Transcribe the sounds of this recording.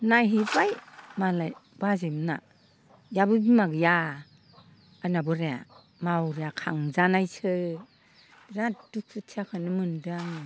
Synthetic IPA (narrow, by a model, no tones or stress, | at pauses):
najɦibajmalaj | bazimna̰ | jabɯbimaɡɯja | anabɯɾea̰ | mawɾeakʰaŋzanajsʰɯ | ɾaduk̚sɯtʰiakʰɯnɯmɯndɯaŋ